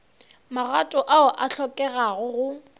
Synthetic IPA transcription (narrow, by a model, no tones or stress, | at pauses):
marwatʼɔʔaʊʔaɬɔkʼɛɣaɣʊɣʊ